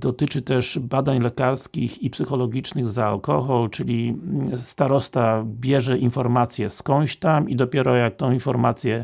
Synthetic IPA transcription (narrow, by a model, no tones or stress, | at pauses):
d̪ɔt̪ɘt͡ʂɘt̪ɛʐbad̪aɲlɛkaɾskʲixipsɘxɔlɔɡʲit͡ʂnɘɣzaːlkɔxɔlt͡ʂɘlʲist̪aɾɔst̪abʲjɛʐɛʔinfɔɾmat̪sʲjɛskɔ̃w̃ɕt̪amid̪ɔpʲjɛɾɔjak̚t̪ɔ̃w̃infɔɾmat̪sʲjɛ